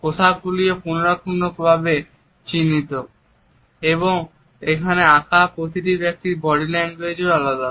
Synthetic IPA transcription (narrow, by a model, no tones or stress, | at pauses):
kot̪ʰab̚ɡuliopunoɾakʰunɖokbʱabe | t͡ɕinit̪o | eβoŋ | ekʰaneakʰapɾot̪iʈibek̚ʈibɔɽilɛnɡed͡ʑoalad̪a